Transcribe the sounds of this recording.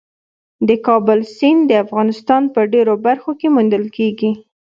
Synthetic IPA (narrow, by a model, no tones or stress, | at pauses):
d̪əkɑbəlsind̪əafɣɑnɪst̪ɑnpəɖeɾobaɾxokemund̪əlkeɡi